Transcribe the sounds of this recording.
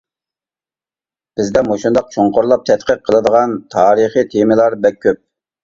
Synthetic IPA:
b̥ɪzd̪ɛmoʃund̪ɑq̚t͡ʃʰoɴqoɾlˠɑp̚t̪ʰɛt̪qʰəq̚ʰːəlˠɨd̪əʁɑnt̪ʰɑːɾəχit̪ʰemɪlˠɑɾbɛk̚ʲʰːøp̚

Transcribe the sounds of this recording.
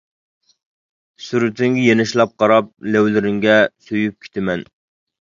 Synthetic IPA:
syɾɪt̪ɪŋɡʲɛjenɪʃlˠɑp̚qʰɑɾɑp̚lɛwlɪɾɪŋɡʲɛsøjyp̚kʲʰe̥t̪ʰɪmɛn

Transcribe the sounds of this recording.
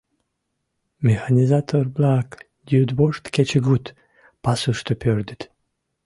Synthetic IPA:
mʲexanʲizat̪ʰoɾblak | d̪ʲjud̪boʃt̪ket͡ʃeɡut̪ | pasuʃt̪opʰʲøɾd̪ət̪

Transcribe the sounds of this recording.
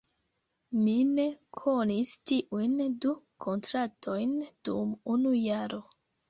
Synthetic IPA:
mine̞kʰo̞nistiʔujndukʰo̞ntɾatʰo̞jnd̥ṵmunujaɾo

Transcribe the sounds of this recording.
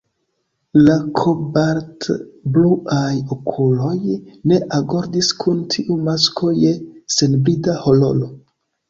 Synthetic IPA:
lakʰobaɾtbluʔajokʰulo̞jne̞ʔaɡo̞ɾdiskʰuntʰiʔumaskʰo̞jese̞nbɾidaho̞lo̞̰lo̞

